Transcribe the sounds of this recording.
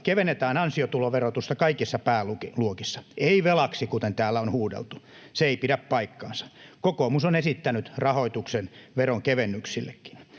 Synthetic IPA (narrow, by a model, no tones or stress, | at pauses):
keʋenːet̪æːnɑnsiot̪uloʋerot̪ust̪ɑkɑikisːɑpæːluiluokisːɑ̥eiʋelɑksikut̪ent̪æːlːæonhuːdḛlt̪u̥ | seeipidæppɑikːɑ̰ːnsɑ̥kokomusonesit̪ːænyt̪rɑhoit̪uksenʋeroŋkeʋenːyksilːḛkːi̥n